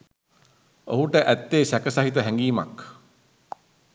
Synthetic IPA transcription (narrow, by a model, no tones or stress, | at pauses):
o̰ɦuʈəʔæt̪ːeːsækəsaɦit̪əɦæŋɡiːma̰k